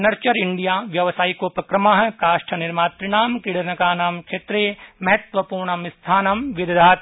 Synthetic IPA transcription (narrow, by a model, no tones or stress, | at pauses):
nɐɾt͡ʃɐɾɪɳɖijaːʋjɐʋsaːikopɾɐkɾɐmaɦkaːʃʈʰɐnɪɾmaːp̪ɾɪɽ̃aːmkɪɽɐɾnɐkaːnaːmkʃeːt̪ɾeːmɐɦɐt̪ʋɐpuːɾɳɐmɪst̪ʰaːnɐmʋɪd̪d̪ʱaːt̪